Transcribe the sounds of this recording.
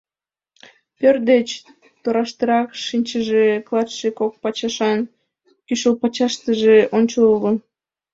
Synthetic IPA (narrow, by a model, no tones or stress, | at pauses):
pørd̪et͡ɕ | t̪oɾɑʃt̪əɾɑkʃinʲt͡ɕəʒeklˠɑt̪ʃekok̚pɑt͡ɕɑʃɑn | kyʃəlpɑt͡ɕɑʃt̪əʒeʔonʲt͡ɕoulə